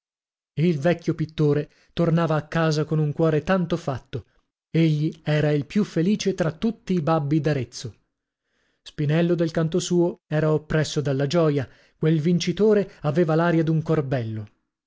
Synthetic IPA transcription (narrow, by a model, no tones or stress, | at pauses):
eilvɛkʲːjopit̪ːoːɾe | t̪ornaːvaːkːaːzakonuŋkwɔːɾet̪ant̪ofat̪ːo | eʎːiɛːɾailpjufːeliːt͡ʃet̪ɾat̪ːut̪ːiːbabːid̪aɾet̪sːo | spinɛlːod̪elkant̪osuːoɛːɾaopːɾɛsːod̪alːad͡ʒɔːja | kwelvint͡ʃit̪oːɾeaveːvalaːɾjad̪uŋkorbɛlːo